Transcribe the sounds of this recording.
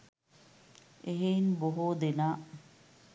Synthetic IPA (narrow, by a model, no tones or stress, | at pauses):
eɦeinboɦoːd̪enaː